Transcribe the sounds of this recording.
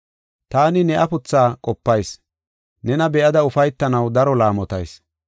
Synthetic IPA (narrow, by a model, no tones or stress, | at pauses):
t̪aːnɪnɛʔɐpʊt͡sːaːkʼɔpːɐjs | nɛnɐbɛʔɐd̪ɐʊfɐjt̪ːɐnɐwd̪ɐɾɔlaːmɔt̪ɐ̰js